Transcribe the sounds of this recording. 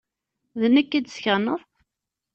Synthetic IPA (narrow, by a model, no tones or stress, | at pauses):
ðənækːid̪sçənːəðˤ